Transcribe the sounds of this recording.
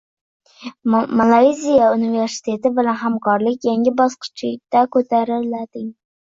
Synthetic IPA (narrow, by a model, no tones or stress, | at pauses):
malˠajzijaunive̞ɾsɪ̥t̪ʰe̞t̪ɪbɪlanɦamkʰɒɾlɪkʲjaŋʲɪbɒsqɨ̥t͡ʃʰlɪk̚ʲd̪̥akʰɵt̪ʰaɾɪlad̪̥ɪŋ